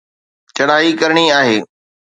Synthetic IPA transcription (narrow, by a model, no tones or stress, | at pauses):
t͡ɕɐɽaːɦikɐɾɽ̃iaːɦeː